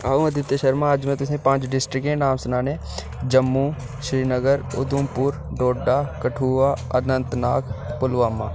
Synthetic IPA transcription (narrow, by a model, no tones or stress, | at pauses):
aːũɐd̪ʱɪt̪əʃəɾmaːd͡ʒmẽt̪ʊs̬ẽpãːt͡ʃɖɪsʈɾɪkɦẽnaːmsʊnaːnẽː | d͡ʒəmːu | ʃɾiːnəɡəɾʊ̰d̪ʊmpʊɾɖoːɖːaːkɐʈʰuːʋaɐ̰nənt̪naːkpʊlʋaːmːaː